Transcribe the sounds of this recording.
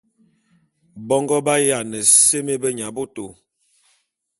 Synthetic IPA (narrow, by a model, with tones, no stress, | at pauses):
bɔ˦ŋɡɔ˦ba˦ja˨nə˨se˦me˦bə˦ɲa˨bo˦to˨